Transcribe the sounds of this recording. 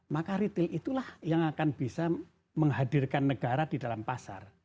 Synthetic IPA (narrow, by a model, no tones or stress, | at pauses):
makaɾit̪ɪlit̪ulahjaŋakanb̥isa | məŋɦadirkanːəɡaɾadidalampasa̰r